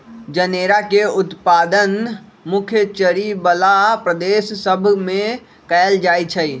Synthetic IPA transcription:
d͡ʒəneɾakeut̪pad̪ənmukʰjət͡ʃəɾibəlapɾəd̪esːəbʱme | kəld͡ʒajt͡ʃʰəi

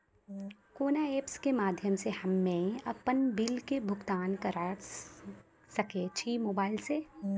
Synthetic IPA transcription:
koːnaeːpskemaːd̪ʱjəmsehɐmːẽɐpənbɪlkebʱʊɡt̪aːnkɐɾa | sɐket͡ʃʰimoːbaːɪlse

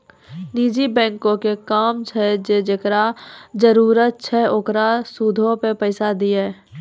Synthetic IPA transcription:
niːd͡ʒibɛ̃ːŋkõkekaːmt͡ʃʰɛd͡ʒed͡ʒekɾad͡ʒəɾuːɾət̪̚t͡ʃʰɛokɾasud̪ʱõpepəɪsad̪iɛ

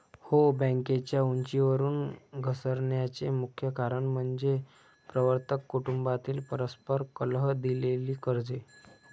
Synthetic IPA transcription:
hobə̃ŋket͡ɕjauɲt͡ɕiʋəɾuːnɡʱəsəɾɳjat͡semukʰjəkaɾəɳm̤əɳd͡ze | pɾəʋəɾt̪əkːuʈumbat̪iːlpəɾəspəɾkəlɦəd̪ileliːkəɾd͡ze

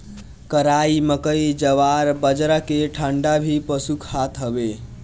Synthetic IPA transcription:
kəɾaiməkəid͡ʒəʋaɾbəd͡ʒɾəkeʈʰəɳɖabʱipəsukʰhat̪ʰɦəbe

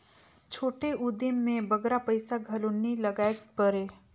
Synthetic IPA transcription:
t͡ʃʰoːʈeʊd̪ɪmːẽbɐɡɾapəɪsaɡʱɐlonːilɐɡaːeɡpəɾeː

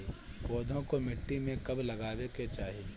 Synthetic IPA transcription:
iboːd̪ʱõkomɪʈːimẽkɐblɐɡaːweket͡ʃaːɦi

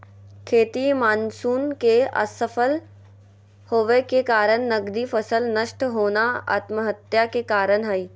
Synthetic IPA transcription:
kʰeːt̪imaːnsuːnkeɐ̰səfʰəl | hoːʋekekaːɾəɳ̃nɐɡd̪ifɐsəlnəʃʈɦoːnaa̰ːt̪məɦət̪jakekaːɾəɽ̃ɦɐiː

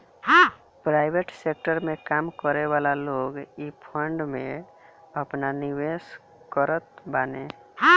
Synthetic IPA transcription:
hã | pɾaːɪbeʈsek̚ʈəɾmẽkaːmkəɾeʋaːlaloːɡipʰəɳɖmẽ | əpnaniwes | kəɾət̪̚baːne | ɦã

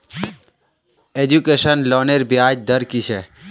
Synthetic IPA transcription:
ed͡ʑukeːʃənloːneɾbʱiaːd͡ʒd̪əɾkit͡ʃʰe

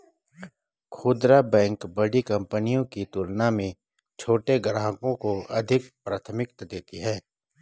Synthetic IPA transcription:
kʰuːd̪ɾabɛ̃ːŋkbɐɽikɐ̃mpənijõkit̪uːlnamẽ | t͡ʃʰoːʈeɡɾãːɦəkõkoɐd̪ʱɪkpɾaːt̪ʰəmɪkt̪d̪eːt̪iɦɛː

